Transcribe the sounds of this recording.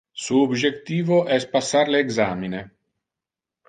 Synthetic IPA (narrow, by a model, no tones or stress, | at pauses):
suobd͡ʒekt̪iːvoʔɛspasːaɾleːɡzaːmine